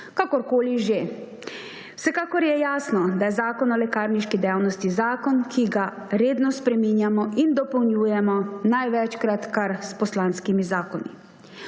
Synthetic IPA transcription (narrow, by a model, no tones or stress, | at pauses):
kakɔɾkoːliʒe | wsɛkaːkɔɾjɛjaːsnɔd̪ajɛzaːkɔnɔlɛkaːɾniʃkid̪ɛjawnɔst̪izaːkɔnkʰiɡa | ɾeːd̪nɔspɾɛminjamɔʔind̪ɔpɔwnjuːjɛmɔnajʋɛt͡ʃkɾat̪kaɾspɔslanskimizaːkɔnḭ